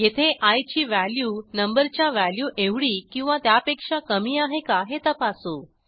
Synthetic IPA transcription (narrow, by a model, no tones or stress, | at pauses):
jet̪ʰeʔajt͡ɕiːʋæljuːnəmbəɾt͡ɕjaʋæljuːʔeʋɽiːkĩw̃ʋat̪japekʂakəmiːaɦekaɦet̪əpasu